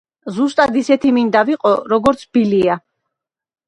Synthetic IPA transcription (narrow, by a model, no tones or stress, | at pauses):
zust̪ʼad̪isɛt̪ʰimind̪aviqʼɔɾɔɡɔɾt̪sʰbilia